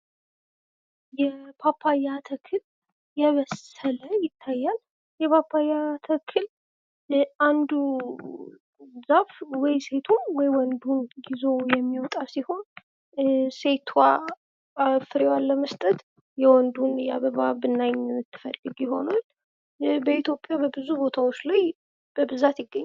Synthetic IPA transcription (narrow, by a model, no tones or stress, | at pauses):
jɛpʰapʰːajat̪ʰəkʰɨl | jɛβəsələjɪt̪ʰːajːal | jɛpʰapʰːajat̪ʰəkʰɨl | and̪u | zafwɔjse̞t̪ʰunwɔjwɔnd̪unɡizo̞jɛmːiwɔt̪ʼasiho̞n | se̞t̪ʰwa | fɨɾewalːəməst̪ʼət̪ | jɛwɔnd̪unja̰βəβabɨnːajɲmɨt̪ʰːɨ̥fə̰lːɨɡjɪho̞̰nal | bəit̪ʰjo̞pʼjabəbɨzubo̞t̪ʰawot͡ʃːlaj | b̥əbɨzat̪jɪɡːəɲː